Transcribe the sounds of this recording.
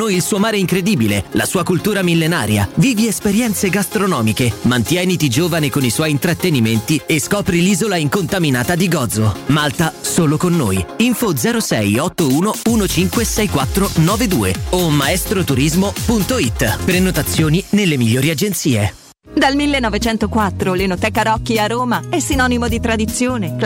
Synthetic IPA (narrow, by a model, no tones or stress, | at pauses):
nojilsuːomaːɾeiŋkɾed̪iːbilela̰suːakult̪uːɾamilːena̰ːɾja̰viːviespeɾjɛnt̪seɡast̪ɾonɔːmikemant̪jɛːnit̪id͡ʒoːvanekoniswɔjint̪ɾat̪ːeniment̪ieskɔːpɾiliːzolaiŋkont̪aminaːt̪ad̪iɡɔd̪zomalt̪asoːlokonːoːjiɱfod̪zɛːɾosɛjɔt̪ːouːnouːnot͡ʃiŋkwesɛjkwat̪ːɾonɔːved̪ṵːḛomːaɛst̪ɾot̪uɾizmopunt̪oit̪ːpɾenot̪at̪sːjoːninelːemiʎːoːɾiad͡ʒent̪siːe | d̪almilːenːɔvet͡ʃɛnt̪okwat̪ːɾolenot̪ɛkːaɾɔkːiaroːmaɛsːinɔnimod̪it̪ɾad̪it̪sːjoːne